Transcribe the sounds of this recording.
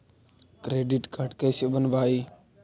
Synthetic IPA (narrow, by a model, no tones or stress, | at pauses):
kɾeːɖiʈkəʈkəːseɓənbʱaːiː